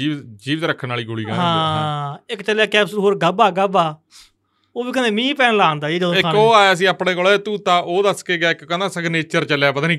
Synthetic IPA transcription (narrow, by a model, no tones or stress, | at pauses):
iːd͡ʒiːʋt̪ɾəkʰːənaːliːɡʊɽḭːka̰ɦãː | ɪkt͡ʃəljaːkɛːbsəɾɦoːɾɡəbaːɡəbaː | oːbiːkəneːmĩːpɛːnlaːnd̪aːeːd͡ʒəd̪õɪoːaːjaːəs̬ĩːaːpɳẽːkolet̪uːt̪ãːʔoːd̪əskeːɡaːɪkkənãːsəɡneːt͡ʃəɾt͡ʃəljaːpəd̪aːnĩː